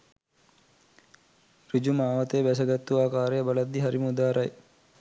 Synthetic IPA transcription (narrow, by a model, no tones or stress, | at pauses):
rid͡ʒumaːʋɐt̪ebæs̬ɐɡɐt̪ːuaːkaːɾejɐbɐlɐd̪ːiɦɐɾimud̪aːɾɐj